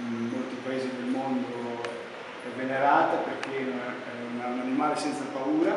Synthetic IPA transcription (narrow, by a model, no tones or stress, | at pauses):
inmolt̪ipaeːzid̪elmond̪o | ɛvːeneɾaːt̪apeɾkea | ɛunaunanimaːlesɛnt̪sapauːɾa